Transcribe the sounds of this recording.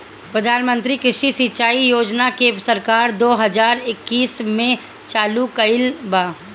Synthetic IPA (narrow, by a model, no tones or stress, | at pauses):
pɾəd̪ʱaːnmə̃nt̪ɾikɾɪʃisit͡ʃaːijoːd͡ʒnakesɐɾkaːɾd̪oːɦɐzaːɾɪkːiːsmẽ | t͡ʃaːlukɐɪlbaː